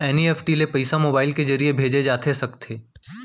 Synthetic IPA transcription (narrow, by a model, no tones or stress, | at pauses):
ɛːniɛːfʰʈilepɐɪsamoːbaːɪlkezɐɾiebʱeːd͡ʒed͡ʒaːt̪ʰesɐkt̪ʰeː